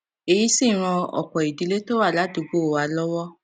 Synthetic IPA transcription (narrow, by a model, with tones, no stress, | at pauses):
e˨ji˦si˦˨ɾ̃ɔ̃˧ɔ̰˨k͡pɔ˨i˨di˨˦le˦to˦wa˦˨la˨˦du˨˧ɡ͡bo˦˨wa˨˧lɔ˦wɔ˦